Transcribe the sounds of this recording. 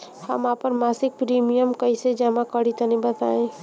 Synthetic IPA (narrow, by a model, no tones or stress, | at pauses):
həmapəɾmasik̚pɾimijəmkəised͡ʒəmakəɽit̪ənibət̪a̰ẽ